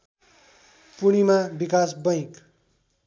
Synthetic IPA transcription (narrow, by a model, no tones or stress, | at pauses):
puɽ̃imabikasbʌj̃k